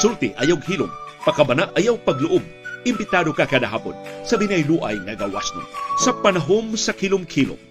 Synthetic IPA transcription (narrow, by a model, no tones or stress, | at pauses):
sult̪ɪʔɐjawɡɦiːlʊ̰mpɐkɐbɐnaʔɐjawpɐɡlʊʔob̚ | ʔɪmbɪt̪aːd̪okakaːd̪aɦa̰ːpo̰nsɐbinɐjluʔɐ̰jŋɐɡawa̰sno̰sɐpɐnɐɦomsɐkilʊmkʰilʊ̰m